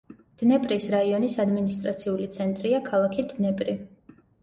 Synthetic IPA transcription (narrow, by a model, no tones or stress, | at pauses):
d̪̥nɛpʼɾisɾaiɔnisad̪minist̪ʼɾat̪sʰiulit̪sʰɛnt̪ʼɾiakʰalˠakʰid̪nɛpʼɾi